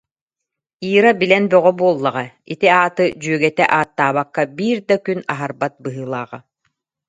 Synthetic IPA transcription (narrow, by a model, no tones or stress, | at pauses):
iːɾabilɛnbœʁɔbuɔlˠːaʁait̪iaːt̪ɯd͡ʑyœɡɛt̪ɛʔaːt̪ːaːβakːabiːɾd̪akynaɦaɾbat̪̚bɯɦɯːlˠaːʁa